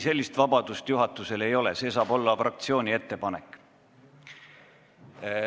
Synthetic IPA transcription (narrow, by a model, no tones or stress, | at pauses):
se̞lʲːist̪vɑbɑd̪̥ust̪juɦɑt̪ːˑuse̞le̞jo̞le̞se̞ːs̬ɑːb̥o̞lːɑfrɑk̚t̪sio̞ːnʲie̞t̪ːe̞pɑne̞kːˑ